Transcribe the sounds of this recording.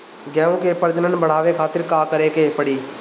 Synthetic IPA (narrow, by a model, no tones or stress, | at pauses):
ɡɛːõːkeːpəɾd͡ʒənənbəɽ̤aːʋeːkʰaːt̪ɪɾkaːkəɾeːkeːpəɽiː